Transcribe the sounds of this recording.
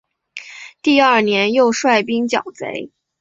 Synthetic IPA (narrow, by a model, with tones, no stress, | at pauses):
t̪i˥˧ɐ˞˥˩njɛ˧˥njo˥˧ʊʂwa˥˩ɪpi˥ŋt͡ɕjɑ̰˨˩ʊt͡sḛ˧˥ɪ